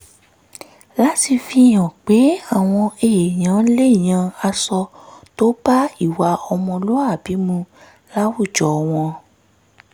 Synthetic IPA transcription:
la˦ti˧fi˧˨j̃ɔ̃˨k͡pe˨˦a˦˨w̃ɔ̃˧e˨e˨j̃ã˨˦le˦˨j̃ã˧a˧sɔ˧to˦ba˦i˦˨wa˧ɔ˧mɔ̃˧lo˦a˦˨bi˨˦mũ˧ | la˦wu˦˨d͡ʒɔ˨˦˧w̃ɔ̃˧

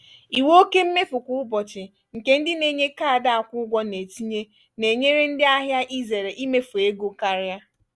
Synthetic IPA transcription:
i˨wo˦ke˦m̩˦me˦fʊ˨kʷʊ˦ʊ˦bɔ˨t͡ʃɪ˨ | ŋ̩˨ke˦n̩˦dɪ˦ne˨˦˨ɲe˦ka˦a˨da˦a˨kʷʊ˦ɡʷɔ˦ne˨ti˦ɲe˦ | ne˨ɲe˦ɾe˦n̩˦dɪ˦a˦ɦja˦ʔi˦ze˨ɾe˨ʔi˦me˦fu˨e˦ɡo˦ka˦ɾɪ˦a˦

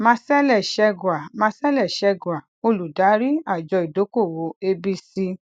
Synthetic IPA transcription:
mã˧sɛ˦lɛ˦˨ʃɛ˧ɡwa˨mã˧˦sɛ˦lɛ˦˨ʃɛ˧ɡwa˨ | o˧lu˨da˨˦ɾi˦a˦˨d͡ʒɔ˧i˨do˨˦ko˦˨wo˨˦e˧bi˧si˧

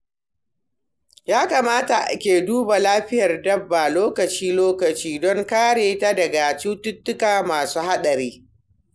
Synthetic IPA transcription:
jaː˦kaː˨maː˦ta˨ʔa̰˨kʲeː˨duː˦ba˨laː˦ɸɪ˦jɐ˨rdɐ˦bːa˨loː˦kɐ˨t͡ʃiː˦loː˦kɐ˨t͡ʃiː˦dɔ˦ŋkaː˦ɽeː˨ta˦dɐ˨ɡa˨t͡ʃuː˦tʊ˦tːʊ˦kaː˨maː˨suː˦ha˦ɗɐ˨ɾeː˦

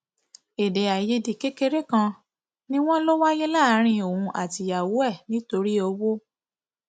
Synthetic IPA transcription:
e˨de˨a˨je˨˦di˨ke˦ke˧ɾe˦kã˧ | nĩ˦w̃ɔ̃˦lo˦wa˦je˦la˦˨˦ɾ̃ĩ˧o˨ũ˧ʔa̰˨ti˧ja˨wu˨˦ɛ˦˨nĩ˨˦to˧ɾi˦o˧wo˦

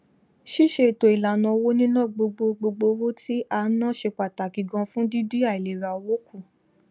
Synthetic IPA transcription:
ʃi˦ʃe˧i˨to˨i˨la˨nã˧wo˦nĩ˦nã˦˨ɡ͡bo˧ɡ͡bo˧ɡ͡bo˧ɡ͡bo˧wo˦ti˦ʔa˧˦nã˦ʃe˧k͡pa˨ta˨ki˨ɡã˧˦fũ˦di˦di˦a˦˨i˨le˨ɾa˨o˧wo˦kʰu˦˨

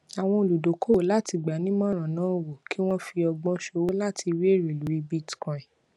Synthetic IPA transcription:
a˨w̃ɔ̃˧o˨lu˨do˨˦ko˦wo˨˦la˦ti˧ɡ͡ba˨˦nĩ˦mã˦˨ɾ̃ã˨nãː˦˨wo˨ki˦w̃ɔ̃˦fi˧ɔ˧ɡ͡bɔ̃˦ʃo˧wo˦la˦˨tʰi˧wi˦e˦˨ɾi˨lu˨˦i˧bi˦˨tkã˨ĩ˨

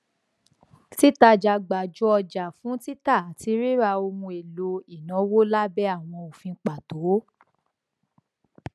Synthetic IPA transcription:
ti˦ta˧d͡ʒa˧˨ɡ͡ba˨d͡ʒu˦ɔ˧d͡ʒa˨fũ˨˦ti˦ta˦˨a˨ti˨˧˦ɾi˦ɾa˧o˧mũ˧e˨lo˧i˨nã˨˦wo˦la˦bɛ˦a˦˨w̃ɔ̃˧o˨fĩ˧˦k͡pa˨to˨˦

